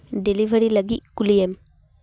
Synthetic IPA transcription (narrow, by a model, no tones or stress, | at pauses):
ɖɛliʋɐɾilɐɡikʊlijɐm